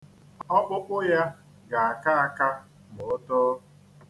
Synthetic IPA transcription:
ɔ˦k͡pʊ˦k͡pʊ˦ja˦ | ɡa˨a˨ka˦a˨ka˦ | mʊ˨ʊ˦tʊ˦

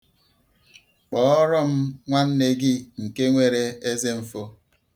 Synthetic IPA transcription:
k͡pɔː˨˦ɔ˦ɾɔ˦m̩˦ŋʷa˦n̩˦ne˨ɡi˦ŋ̩˨ke˦ŋʷe˦ɾe˦e˦ze˦m̩˨fo˦

